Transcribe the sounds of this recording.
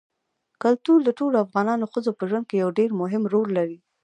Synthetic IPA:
kalt̪uɾd̪əʈoloafɣɑnɑnoxəzopəʒwand̪̚kejawɖeɾmʊɦɪmɾolːaɾi

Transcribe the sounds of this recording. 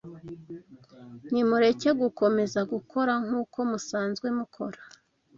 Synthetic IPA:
n̥imuɾe̞ceɡuko̞me̞zaɡukʰo̞ɾaŋ̥uːkʰo̞musaːnzɡwe̞mukʰo̞ɾḁ

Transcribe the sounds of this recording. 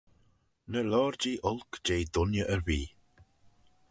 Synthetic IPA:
nəlɔːɹd͡ʒiːʔʊlˠkd͡ʒejd̪ʊnjəʔəɹviː

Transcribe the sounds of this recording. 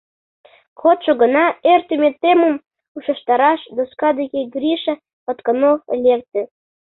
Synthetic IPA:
kʰot̪ʃoɣə̆nɑert̪ymʲet̪ːemum | uʃə̆ʃt̪ɑɾɑʃd̪oskɑd̪eɣeɡɾʲiʃə̆ | ot̪kə̆nolʲek̚t̪ø

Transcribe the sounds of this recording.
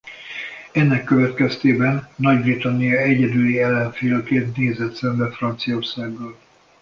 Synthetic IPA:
ɛnːɛkːøvɛt̪kɛst̪eːbɛnːɒɟbrit̪ɒnːijɒɛɟɛd̪yljiɛlːɛɱfeːlk̪eːt̪neːzɛt̪sɛmbɛfrɒnt̪sijɒo̞rsaːɡboːl

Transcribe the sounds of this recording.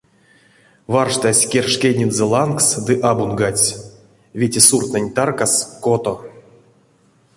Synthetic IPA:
varʂt̪asʲkʲerʂkʲenʲinzɛlˠanksd̪ɨʔabunɡat͡sʲ | vʲetʲesurt̪nenʲt̪arkaskot̪o

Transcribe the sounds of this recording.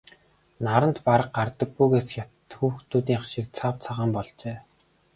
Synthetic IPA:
naɾə̆nt̪paɾə̆qɢart̪ə̆ɡ̚ɡujɣeːsjʲat̪xuːxt̪ʰuːt̪iːŋaʃiːk̚t͡sʰawt͡sʰaʁaːmpɔɮt͡ɕeː

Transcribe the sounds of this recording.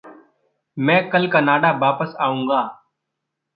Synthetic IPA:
mɛ̃ːkəlkaːnaːɖaːbaːpəsaːũːɡaː

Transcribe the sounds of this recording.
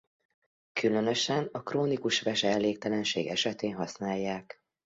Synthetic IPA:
kylønø̞ʃɛnɒkroːnikuʃʋɛʃɛɛlːeːk̚t̪ɛlɛnʃḛːɡɛʃɛt̪eːnɦɒsnaːjːaːk

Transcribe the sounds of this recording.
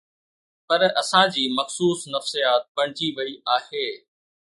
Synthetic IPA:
pɐɾɐsãd͡ʑiːmɐxsuːsnɐfsijaːt̪̚pɐɽ̃ɪd͡ʑiʋɐiʔaːheː

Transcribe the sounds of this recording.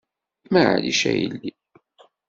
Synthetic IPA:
maʕaliʃæjəlːi

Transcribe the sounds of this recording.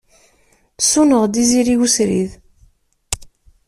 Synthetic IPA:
sunəʁd̪iziɾiwusɾið

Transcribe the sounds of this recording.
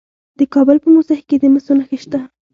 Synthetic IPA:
d̪əkɑbəlpəmusahked̪əməsunaxiʃt̪a

